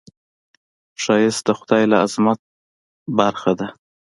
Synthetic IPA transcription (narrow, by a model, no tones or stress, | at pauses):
ʃɑjɪst̪̚d̪əxʊd̪ɑjlaazmat̪̚ | baɾxad̪a